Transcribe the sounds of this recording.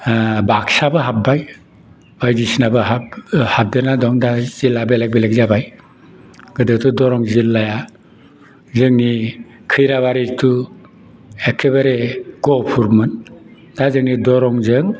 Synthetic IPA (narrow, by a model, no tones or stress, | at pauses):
baksabɯɦap̚baj | b̥ajdisnabɯɦahap̚dɯnadɔŋdazilːabelak̚beleɡ̚zabaj | ɡ̥ɯdɯtʰudɔɾɔŋzilːaja | zɯŋni | kʰɯjɾaβaɾitʰu | ekʰeβaɾeɡ̥ɔpʰuɾmɯn | dazɯŋnidɔɾɔŋzɯŋ